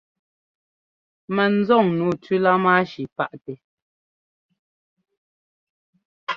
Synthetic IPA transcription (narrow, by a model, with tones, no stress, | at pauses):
mɛ˨n̩˦zɔ˦˨ŋnuː˨tʉ˦la˦ma˦ʃi˨pa˦ʔtɛ˨